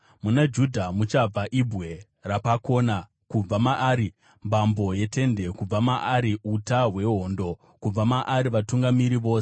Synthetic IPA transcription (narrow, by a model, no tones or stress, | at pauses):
munad͡ʒudʱamut͡ʃab͡vaʔibʱwe̞ | rapako̞ːna | kub͡vamaʔaːɾi | mbambo̞je̞te̞nde̞kub͡vamaʔaɾiutaɦwe̞ɦo̞ːndo̞ | kub͡vamaʔaɾiʋatuŋɡamiɾiʋo̞ːse